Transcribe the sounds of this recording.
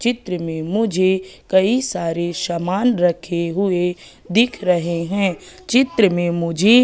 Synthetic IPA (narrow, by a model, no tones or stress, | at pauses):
t͡ʃɪt̪ɾəmẽmʊd͡ʒʱekɐisaːɾeʃɐmaːnɾɐkʰeɦʊe | d̪ɪkʰɾɐɦeɦɛ̃ː | t͡ʃɪt̪ɾəmẽmʊd͡ʒʱe